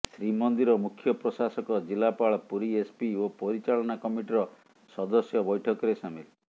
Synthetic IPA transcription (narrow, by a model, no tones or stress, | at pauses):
sɾimɔnd̪iɾɔmukʰjɔpɾɔsasɔkɔd͡ʒilapaɭɔpuɾiespiopɔɾit͡ʃaɭɔnakɔmiʈiɾɔ | sɔd̪ɔsjɔbɔjʈʰɔkɔɾesamili